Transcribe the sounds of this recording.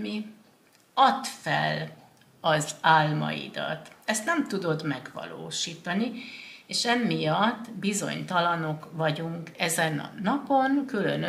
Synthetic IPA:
mi | ɒt̪fɛ̰l | ɒzaːlmɒ̰ḭd̪ɒ̰t̪ɛst̪nɛmt̪ud̪o̞d̪mɛɡʋɒ̰lo̰ːʃiːt̪ɒnieːʃɛmːijɒt̪ːbizo̞̰ɲt̪ɒlɒno̞kvɒɟuŋkɛzɛnɒ̰nɒpo̞nkylø̰nø

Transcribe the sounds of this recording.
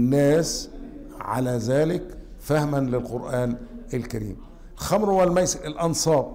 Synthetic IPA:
nːæːs | ʕa̰læːzæːlɪk | fahmanlɪlqʊɾʔaːnɪlkaɾḭːm | lxɑmɾwælmæjsɪlʔɑnsˤɑːbˤ

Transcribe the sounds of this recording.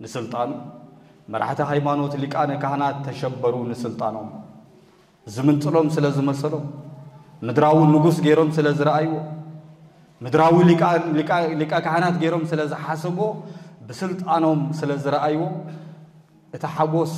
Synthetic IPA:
nɨsɨlt̪ʼan | mɐ̰ɾ̰ħt̪ʰiɦajmano̞t̪likʼankʰahnat̪ʰːɐʃɐbɐɾunɨsɨlt̪ʼa̰no̞m | zɨmɨnt͡sʼɨlo̞msɨlɐzɨmɐsɐlo̞mː | ɨd̪ɾawinɨɡusɡe̞ɾo̞msɨlɐzɨɾɐʔajwo̞ | mɨd̪ɾawililikʼːakʰahnat̪ɡeɾo̞msɨlɐzɨħasɐbobɨsɨlt̪ʼano̞msɨlɐzɨɾɐʔajwo̞ | ʔɨt̪ʰiħaɡo̞s

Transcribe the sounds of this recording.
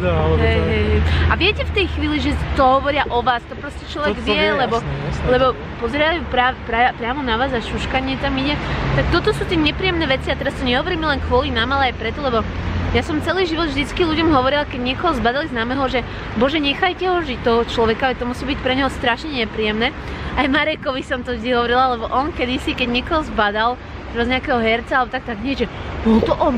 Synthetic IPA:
ɦɛjɦɛjɦɛjaʋɪɛcɛft̪ɛjxʋiːliʒɛt̪ɔɦɔʋɔɾɪaʔɔʋaːst̪ɔpɾɔscɛt͡ʃlɔʋɛɡʋɪɛlɛbɔlɛbɔ | pɔzɾɛapɾaːɛpɾapɾɪamɔnaʋaːzaʃuʃkaɲɪɛt̪amiɟɛt̪ak̚t̪ɔt̪ɔsuːt̪ɪɛɲɛpɾiːjɛmnɛːʋɛt͡siat̪ɛɾast̪ɔɲɛɦɔʋɔɾiːmɛlɛnkʋɔlinaːmalɛajpɾɛt̪ɔlɛbɔjasɔmt͡sɛliːʒiʋɔd̪vʒd̪it͡skiʎuɟɔmɦɔʋɔɾilakɛɟɲɪɛkɔɦɔzbad̪aliznaːmɛɦɔʒɛ | bɔʒɛɲɛxajcɛɦɔʒict̪ɔɦɔt͡ʃlɔʋɛkaaʋɛt̪ɔmusiːbic̚pɾɛɲɔɦɔst̪ɾaʃɲɛɲɛpɾiːjɛmnɛː | ajmaɾɛkɔʋisɔmt̪ɔd̪iɦɔʋɔɾilalɛbɔʔɔnkɛd̪isikɛɟɲɪɛkɔɦɔzbad̪al | t̪ɾɛbazɲɛakɛɦɔɦɛɾt͡salɛbɔt̪akt̪aɡɲɪɛʒɛbɔlt̪ɔʔɔn

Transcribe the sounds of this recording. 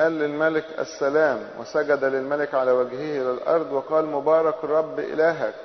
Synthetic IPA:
ʔæːlːɪlmælɪkʔæ̰sːælæːmwæ̰sæɡæd̪ælɪlmælɪkʕalæːwæɡhɪhʔɪlælʔɑ̰ɾˤd̪ˤwɑqɑːlmʊbɑːɾˤɑkrˤːɑbːʔɪ̰læːɦæk

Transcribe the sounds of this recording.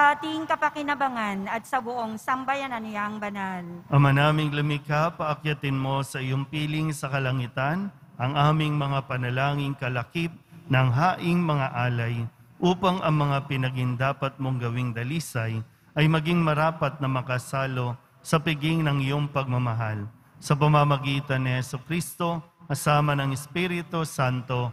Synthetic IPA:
at̪ɪŋkɐpɐkɪnɐbɐŋanɐt̪̚sɐbʊʔoŋsɐmbajɐnɐnɪjaɐŋbɐnalʔɐmɐnaːmɪŋlɐmɪkapɐʔɐkjɐt̪ɪnmo̞sɐʔɪjo̞ŋpiːlɪŋsɐkɐlɐŋɪt̪ɐn | ʔɐŋʔaːmɪŋmɐŋapɐnɐlaːŋɪŋkɐlɐkip̪̚nɐŋɦaːʔɪŋmɐŋaʔaːlɐj | ʔuːpɐŋʔɐŋmɐŋapɪnɐɡɪŋd̪aːpɐt̪̚mo̞ŋɡɐwɪŋd̪ɐliːsɐj | ʔɐjmɐɡiŋmɐɾaːpɐt̪̚nɐmɐkɐsaːlo̞ | sɐpɪɡɪŋnɐŋɪjoŋpɐɡ̚mɐmɐɦal | sɐp̬ɐmɐmɐɡiːt̪ɐnːɪhɛsʊkɾist̪o̞kɐsaːmɐnɐŋɛspiɾɪt̪osant̪o̞

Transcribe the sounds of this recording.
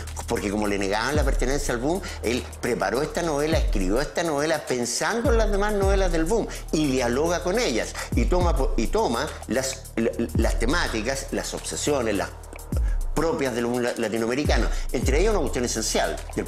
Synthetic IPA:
poɾkekomoleneɣaanlapeɾt̪enensjaːlβum | el | pɾepaɾo̞eht̪ano̞βe̞laehkɾiβjo̞eht̪ano̞βelape̞nsand̪oenlazðemazno̞βelazðelβum | iðjalo̞ɣako̞neʎa̰sit̪omapit̪oma | las | last̪emat̪ikaslaso̞psesjo̞nesla̰s | pɾopjazðe̞lβumlat̪inoameɾikanoent̪ɾeeʝasunakwet̪jone̞se̞nsja̰ld̪el

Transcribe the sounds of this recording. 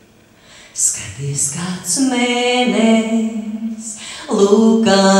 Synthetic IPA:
skat̪iɛskaːt̪smɛːnɛ | slˠuːka

